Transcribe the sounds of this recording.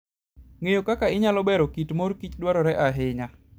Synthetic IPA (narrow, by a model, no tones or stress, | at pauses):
ŋejokakaɪɲalɔbɛɾokitmorkit͡ʃdwaɾɔɾɛʔaɦɪɲa